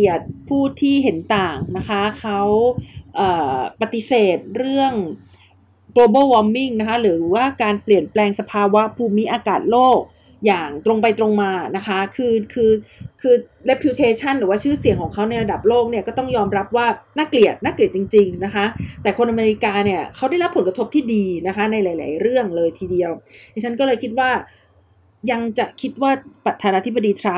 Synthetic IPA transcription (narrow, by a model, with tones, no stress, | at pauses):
i˨˩ət̪̚pʰuː˥˩t̪ʰiː˥˩ɦe˩˦nt̪aː˨˩ŋna˦˥kʰa˦˥kʰa˦˥wʔəː˨˩pa˧t̪i˧˦seː˨˩t̪̚ɾɯ˥˩əŋ | ɡloː˧bɤː˥˩wɔ˧mːi˥˩ŋna˦˥kʰa˦˥ɾɯː˩˦waː˥˩kaː˧npli˨˩ənplɛː˧ŋsa˧pʰaː˧wa˦˥pʰuː˧mi˦˥ʔaː˧kaː˨˩t̪̚loː˥˩k̚ | jaː˨˩ŋt̪ɾo˧ŋpa˧jt̪ɾo˧ŋmaː˧na˦˥kʰa˦˥kʰɯː˧kʰɯː˧kʰɯː˧le˦˥pʰːi˧˦˥t̪ʰeː˧t͡ɕʰa˥˩nɾɯː˨˩˦waː˥˩t͡ɕʰɯː˥˩si˨˩əŋkʰɔː˩˦ŋkʰa˦˥wna˧jɾa˧da˨˩p̚loː˥˩k̚ni˥˩ɐkɔː˥˩t̪ɔ˥˩ŋjɔː˧mɾa˦˥p̚waː˥˩naː˥˩kli˨˩ət̪̚naː˥˩kli˨˩ət̪̚t͡ɕi˧ŋt͡ɕi˧ŋna˦˥kʰa˦˥t̪ɛː˨˩kʰo˧nʔa˧meː˧ɾi˦˥kaː˧ni˥˩ɐkʰa˦˥wda˥˩jɾa˦˥pʰːo˩˦nk̚a˧t̪ʰo˦˥p̚t̪ʰiː˥˩diː˧na˦˥kʰa˦˥na˧jlaː˨˦jla̰ː˨˩˦jɾɯ˥˩əŋlɤː˧jt̪ʰiː˧di˧əwjt͡ɕʰa˦˥nkɔː˥˩lɤː˧jkʰi˦˥t̪̚waː˥˩ | ja˧ŋt͡ɕa˨˩ʔkʰi˦˥t̪̚waː˥˩pɾa˨˩t̪ʰːaː˧naː˧t̪ʰi˦˥ba˧diː˧t̪ʰɾa˦˥